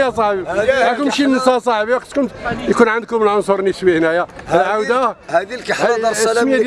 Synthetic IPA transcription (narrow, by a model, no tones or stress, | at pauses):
jæsˤɑʕbilækʊmʃinsˤɑsˤɑʕbiwɑq̚t̪kʊnt̪jkunʕand̪̚kʊməlʕonsˤuɾˤnəsbihnæjæəlʕawd̪ad̪ik | mjæd̪